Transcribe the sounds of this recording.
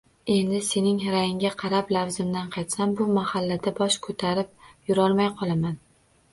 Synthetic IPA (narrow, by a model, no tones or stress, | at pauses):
e̞nd̪ɪse̞nɪŋɾajɪŋʲaqʰɑɾaplavzɪmd̪anqʰɑjt̪sambʊmahalːad̪abɒʃkʰot̪ʰaɾɪp̚jʊɾɒlˠmajqʰɒlˠaman